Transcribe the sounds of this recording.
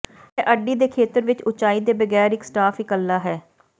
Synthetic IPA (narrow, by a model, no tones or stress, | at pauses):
ɛːʔəɖːiːd̪eːkʰeːt̪əɾʋɪt͡ʃʊt͡ʃaːiːd̪eːbəɡɛːɾɪksʈaːfɪkəlːaːɦɛː